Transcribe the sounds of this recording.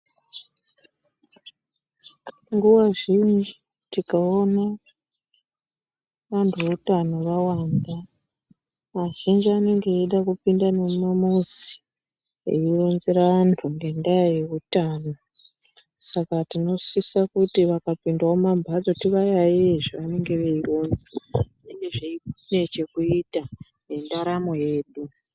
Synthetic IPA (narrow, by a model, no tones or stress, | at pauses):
ŋɡuwaʐind͡ʒi | tikaona | ʋantʰuutano̞ʋawaːnda | ʋaʒind͡ʒiane̞ŋɡeːɗakupindanemamuzi̥ | ḛiro̞nzeɾaʋantʰuŋɡe̞ndajaje̞utaːno | sakatino̞sisakutiʋakapindaomambʱad͡zotiʋajaeeʐiʋane̞ŋɡe̞ʋe̞ironze | enɡe̞ʐeikne̞t͡ʃe̞kuita | jendaɾamo̞je̞ːɗu